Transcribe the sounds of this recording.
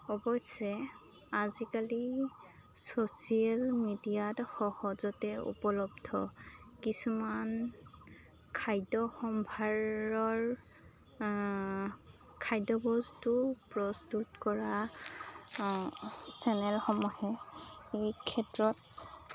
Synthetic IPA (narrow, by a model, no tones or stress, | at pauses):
ɔbɔjsɛ | azikali | sosialmidijatxɔhɔzɔtɛṵpɔlɔbdʱɔ̰ | kisuman | kʰajdɔxɔmbʱaɹɔɹ | kʰajdɔbɔztʊpɹɔstutkɔɹa | sɛnɛlxɔmɔhɛejkʰɛtɹɔt̚